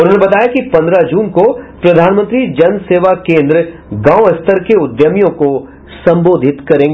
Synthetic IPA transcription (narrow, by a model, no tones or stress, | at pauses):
ʊɾnebɐt̪aːjakipɐ̃nd̪ɾad͡ʒuːnkopɾɐd̪ʱaːnmə̃nt̪ɾid͡ʒɐnseːʋakẽːnd̪ɾəɡãːwɐst̪əɾkeʊd̪jəmjõko | sɐ̃mboːd̪ʱɪt̪kɐɾẽːŋɡ